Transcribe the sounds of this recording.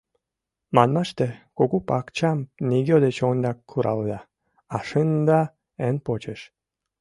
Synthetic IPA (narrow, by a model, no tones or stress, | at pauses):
mɑnmɑʃt̪ekoɣupɑkt͡ɕɑmniɡʲod̪et͡ɕond̪ɑkːʰuɾʔɑ̰ld̪ɑː | ʃɨnd̪ɑ | enpot͡ɕəʃ